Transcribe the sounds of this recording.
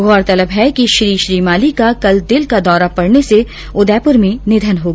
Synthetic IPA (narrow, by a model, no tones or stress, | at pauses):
ɡɔːɾt̪ɐləbɦɛkiʃɾiːʃɾiːmaːlikakɐld̪ɪlkad̪ɔːɾapɐɽnese | ʊd̪ɛːpʊɾmẽnɪd̪ʱənɦoːɡ